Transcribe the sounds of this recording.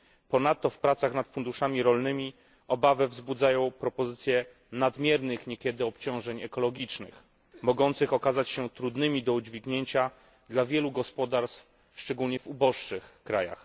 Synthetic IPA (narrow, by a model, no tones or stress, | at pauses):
pɔnat̪ːɔfpɾat̪saxnat̪fund̪uʂamʲiɾɔlnɘmʲi | ɔbavɛvzbud̪zajɔ̃w̃pɾɔpɔzɘt̪sʲjɛ | nad̪mʲjɛɾnɘxɲɛkʲɛd̪ɘɔpt͡ɕɔ̃w̃ʐɛɲɛkɔlɔɡʲit͡ʂnɘ̰x | mɔɡɔnt̪sɘxɔkazat͡ɕɕɛt̪ɾud̪nɘmʲid̪ɔud͡ʑvʲiɡɲeɲt͡ɕa | d̪lavʲjɛluɡɔspɔd̪aɾst̪f | ʂt͡ʂɛɡulɲɛvubɔʂʂɘxkɾaja̰x